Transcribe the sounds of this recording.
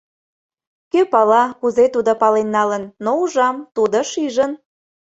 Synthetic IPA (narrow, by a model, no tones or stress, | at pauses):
køpɑlɑkuzet̪ud̪opɑlenːɑlənːouʒɑmt̪ud̪əʃiʒən